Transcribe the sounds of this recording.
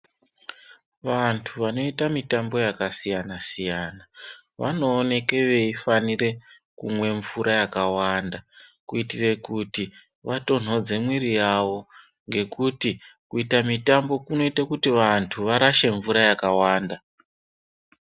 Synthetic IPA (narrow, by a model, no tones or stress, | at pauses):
ʋantʰuʋano̞itamitambo̞jakasijanasijaːnaʋa̰no̞ːne̞ke̞ʋe̞ifanire̞kumwe̞ɱvuɾajakawandakuitire̞kuti | ʋato̞n̤o̞d͡ze̞mwirijaʋo̞ | ŋɡe̞kutikuitamitambo̞kuno̞itakutiʋantʰuʋaɾaʃe̞ɱvuɾajakawaːnda